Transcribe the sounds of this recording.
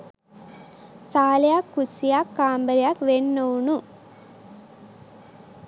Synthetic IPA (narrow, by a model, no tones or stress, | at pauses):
saːljaːkːusijaːkːaːmbɐɾjaːkʋenːownu